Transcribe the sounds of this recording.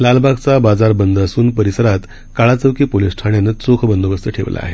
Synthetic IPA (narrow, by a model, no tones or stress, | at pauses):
lalbaɡt͡sabad͡zaɾbənd̪əsuːnpəɾisəɾat̪ | kaɭat͡səʋkiːpolisʈʰaɳjanət͡sokʰbənd̪ʱəʋəst̪əʈʰḛʋla̰a̰ɦe